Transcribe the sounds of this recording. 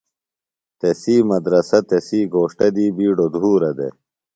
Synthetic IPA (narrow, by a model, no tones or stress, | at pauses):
t̪esiːmɐd̪ɾɐsɐt̪esiːɡoːʂʈɐd̪iːbiːɖod̪ʱuːɾɐd̪ḛ